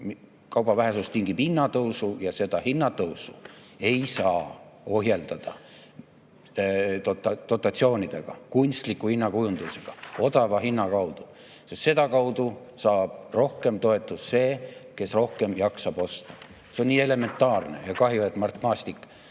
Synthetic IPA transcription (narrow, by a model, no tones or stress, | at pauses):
m | kɑwb̥ɑvæɦesust̪iŋɡibinːɑt̪ɤwsujɑse̞d̪̥ɑhinːɑt̪ɤwsue̞jsɑːo̞ɦjeld̪̥ɑd̪̥ɑ | t̪ot̪ːɑd̪o̞t̪ːˑɑt̪sio̞ːnʲid̪̥e̞ɡ̥ɑ̰kunʲst̪likːˑuhinːɑkujund̪̥use̞ɡ̥ɑo̞d̪̥ɑvɑɦinːɑkɑwd̪̥u̥ | sest̪se̞d̪̥ɑkɑwd̪u | sɑːb̥̚ro̞hke̞mt̪o̞e̞t̪ːˑusse̞ːke̞sro̞hke̞mjɑksɑb̥o̞st̪ɑ̥ | seonːiːe̞le̞me̞nt̪ˑːɑːrnḛjɑkɑɦjioet̪mɑrt̪ˑmɑːst̪ikːˑ